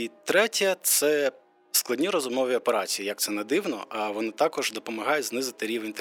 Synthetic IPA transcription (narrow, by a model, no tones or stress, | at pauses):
it̪ɾɛtʲɐt̪sɛ | sklˠɐdʲnʲiɾɔzʊmɔʋʲiɔpeɾɑt͡sʲijijɐk̚t̪sɛnɛd̪ɪwnɔ̰ʔɐʋɔnat̪ɑkɔʒd̪ɔpɔmɐɦɑjeznɪzɪt̪ɪɾʲiʋenʲt̪